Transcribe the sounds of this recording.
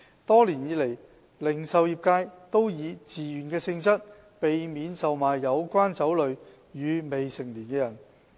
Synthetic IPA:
t̪ɔː˥liː˨˩njiː˨˧le˨˩j | lɪ˨˩ŋsɐ˨wjiː˨˩p̚kaː˧jt̪o˥wjiː˨˧t͡siː˨jyː˨˩nkɛː˧sɪ˧ŋsɐ˥t̚ | pe˨jmiː˨˧nsɐ˨wmaː˨jːɐ˨˧wkʷaː˥nt͡sɐ˨˥wlɵ˨˧ɥ | jyː˨˧me˨jsɪ˨˩ŋliː˨˩nkɛː˧jɐ˨˩n

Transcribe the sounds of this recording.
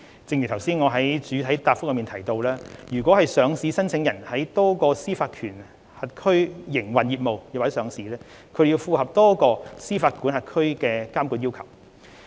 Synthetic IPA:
t͡sɪ˧ŋjy˨˩t̪ʰwsiː˥nŋɔː˨˧ɦɐ˨˥jt͡ʃyː˨˧t̪ʰɐ˨˥jt̪aː˧p̚fʊ˥k̚jmiː˨nt̪ʰɐ˨˩jt̪o˧wlaː˥jyː˨˩kwɔ˨˥hɐ˨jsœː˨˧ŋsiː˨˥sɐ˥nt͡sʰɪ˨˥ŋjɐ˨˩nhɐ˨˥jt̪ɔː˥kɔː˧siː˥faː˧t̚kʰyː˨˩n | hɐ˨t̚kʰɵ˥ɥjɪ˨˩ŋwɐ˨njiː˨˧t̚mo˨wjwːsœː˨˧˥ŋsiː˨˥lɛː˥ | kʰd̪ji˧wfuː˨˧hɐ˨p̚t̪ɔː˥kɔː˧siː˥faː˧t̚kʰuː˨˥nhɐ˨t̚kʰɵ˥ɥkɛː˧kaː˥mku˧t̚jiː˥wkʰɐ̰˨˩w

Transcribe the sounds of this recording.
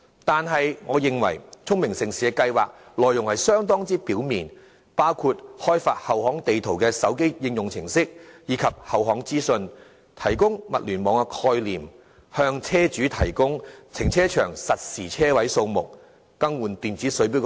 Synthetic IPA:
t̪aː˨nɦɐ˨jŋɔː˨˧jɪ˨ŋwɐ̰˨˩jt͡sʰʊ˥ŋmɪ˨˩ŋsɪ˨ŋsiː˨ɛ˧˥kɐ˧jwa̰ː˨k̚lɔː˨jʊ˨ŋhɐ˨jsœː˥ŋt̪ɔː˥ŋt͡siː˥piː˨˥wmiː˨n | paː˥wkʰuː˧t̚hɔː˥jfaː˧t̚hɐ˨whɔː˨˥ŋt̪e˨jt̪ʰo˨˩wkɛː˧sɐ˨˥wke˥jjɪ˧ŋjʊ˨ŋt͡sʰɪ˨˩ŋsɪ˥k̚jiː˨˧kʰɐ˨p̚hɐ˨˩wɦɔː˨˥ŋt͡siː˥sɵ˧n | t̪ʰɐ˨˩jkʊ˥ŋmɐ˨t̚lyː˨˩nmɔː˨˧˥ŋɛ˧kʰɔː˧jliː˨˩m | hœː˧ŋt͡sʰɛː˥t͡ʃyː˨˥t̪ʰɐ˨˩jkʊ˥ŋt͡sʰɪ˨˩ŋt͡sʰɛː˥t͡ʃʰœ̰ː˨˩ŋsɐ˨t̚siː˨˩t͡sʰɛː˥wɐ˨˥jso˧wmʊ˨k̚ː | ɐ˥ŋwuː˨˩nt̪yː˨nt͡siː˨˥sɵ˨˥ɥp̬i˨˥

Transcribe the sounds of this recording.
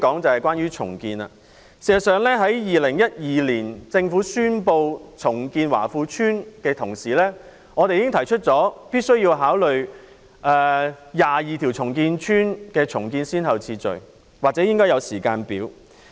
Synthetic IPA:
kɔː˨˥ŋt͡sɐ˨whɐ˨jkʷaː˥njyː˥t͡ʃʰʊ̰˨˩ŋkiː˧nɐ̰˧ | siː˨˩ɐ˨˩sœː˨ŋlɛː˥ɦɐ˨˥jjiː˨˩lɪ˨˩ŋjɐ˥t̚jiː˨liː˨˩nt͡sɪ˧ŋfuː˨˥syː˥npo˧wt͡sʰʊ˨˩ŋkiː˧nwa̰ː˨˩fuː˧t͡ʃʰyː˥nkɛː˧t̪ʰʊ˨˩ŋsiː˨˩lɛː˥ | ŋɔː˨˧e˨jiː˨˦kɪ˥ŋt̪ʰɐ˨˩jt͡ʃʰɵ˥t̚t͡sɔː˨˥piː˥t̚sɵ˥ɥjiː˧wɦaː˨˥wlɵ˨ɥ | ʔɛː˧jaː˨˩jiː˨t̪ʰi˨˩wt͡sʰʊ˨˩ŋkiː˧nt͡ʃʰyː˥nkɛː˧t͡ʃʰʊ˨˩ŋkiː˧nsiː˥nhɐ˨˩wt͡sʰiː˧t͡sɵ̰˨ɥ | waː˨k̚t͡sɛː˨˥jɪ˥ŋkɔː˥jɐ˨˧wsiː˨˩kaː˧npiː˨˥w

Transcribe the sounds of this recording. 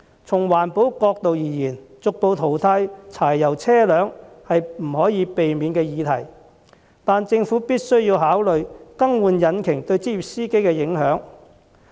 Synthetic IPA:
t͡sʰʊ˨˩ŋwaː˨˩npo˨˥wkɔː˧k̚t̪o˨wjiː˨˩jiː˨˩nt͡sʊ˨k̚po˧wt̪ʰo˨˩wt̪ʰa˧jt͡sʰaː˨˩jːɐ˨˩wt͡sʰɛː˥lœː˨˥ŋ | hɐ˨jm̩˨˩hɔː˨˥jiː˨˧˥pe˨jmiː˨˧nkɛː˧jiː˨˧t̪ʰɐ̰˨˩j | t̪aː˨nt͡sɪ˧ŋfuː˨˥piː˥t̚sɵ˥ɥjiː˧wɦaː˨˥wlɵ˨ɥkɐ˥ŋwuː˨˧njɐ˨˥nkʰɪ˨˩ŋt̪ɵ˧ɥt͡siː˥ji˨p̚siː˥ke˥jkɛː˧jɪ˨˥ŋɦœː˨˥ŋ

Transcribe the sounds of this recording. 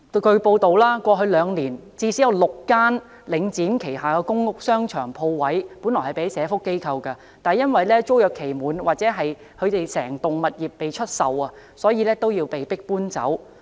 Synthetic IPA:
kɵ˧ɥpo˧wt̪o˨wlaː˥kʷɔː˧ɦɵ˧ɥlœː˨˧ŋliː˨˩nt͡siː˧siː˨˥jɐ˨˧wlʊ˨kːaː˥n | lɪ˨˧ŋt͡siː˨˥mkʰe˨˩jɦaː˨˩kɛ˧kʊ˥ŋːʊ˥k̚sœː˥ŋt͡ʃʰœ̰ː˨˩ŋpʰo˧wwɐ˨˥juː˨˥nlɔː˨˩hɐ˨˩pe˨˥sɛː˨˧˥fʊ˥kːe˥jkʰɐ˧wkɐ˧ | t̪aː˨jɐ˥nwɐ˨jlɛː˥t͡ʃo˥wjœː˨kʰe˨˩jmuː˨nwaː˨t̚t͡sɛː˨˥ɦɐ˨j | kʰɵ˨˧ɥt̪e˨jsɛ̰ː˨˩ŋt̪ʊ˨ŋmɐ˨t̚jiː˨p̚ːe˨jt͡ʃʰɵ˥t̚sɐ˨wɐː˧ | sɔː˨˥jiː˧lɛː˥t̪o˥wjiː˧wpe˨jpɪ˥k̚puː˥nt͡sɐ̰˨˥w

